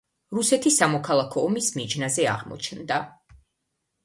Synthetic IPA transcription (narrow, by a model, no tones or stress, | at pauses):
ɾusɛt̪ʰisamɔkʰalˠakʰɔːmismid͡ʒnazɛa̰ʁmɔ̰t͡ʃʰnd̪a